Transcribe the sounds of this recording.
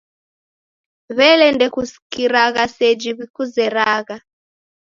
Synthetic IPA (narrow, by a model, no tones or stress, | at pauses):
βɛlɛndɛkusi̥kiɾaɣasɛd͡ʒiβikuzɛɾaːɣa